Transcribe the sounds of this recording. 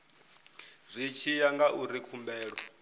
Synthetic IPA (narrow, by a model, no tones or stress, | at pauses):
zʷit͡ʃʰijaŋɡaʔuɾikʰumbɛːɺɔ